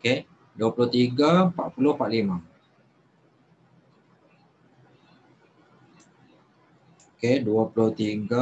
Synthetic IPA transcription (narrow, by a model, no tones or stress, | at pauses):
ke | duapulʊht̪iɡapaʔpulʊhpaʔlima | keduapulʊht̪iɡa